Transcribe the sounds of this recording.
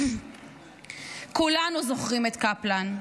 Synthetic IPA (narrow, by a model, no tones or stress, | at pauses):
kulanuzo̞χʁimet̪kaplan